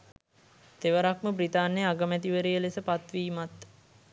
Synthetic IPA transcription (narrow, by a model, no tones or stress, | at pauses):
t̪eʋəɾakməbrit̪aːnːeaɡəmæt̪iʋəɾijəlesəpat̪ʋiːmat̪